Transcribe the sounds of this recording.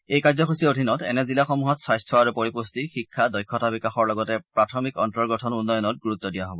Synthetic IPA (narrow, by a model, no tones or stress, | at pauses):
ejkaɹzɔkʰusiodʱinɔtɛ̰nɛzilaxɔmuɦɔtsajstʰɹɔaɹupoɹipustixikʰːadɔjkʰːɔtabikaxɔɹlɔɡɔtɛpɹatʰɔmikɔntɔɹɡɔtʰɔnunːɔjɔnɔt̚ɡuɹut̪ːɔdijaɦɔbɔ